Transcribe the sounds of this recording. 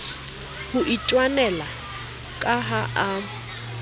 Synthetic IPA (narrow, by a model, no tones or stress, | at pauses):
hʊʔit͡ʃʼwanɛla | kʼaɦaʔa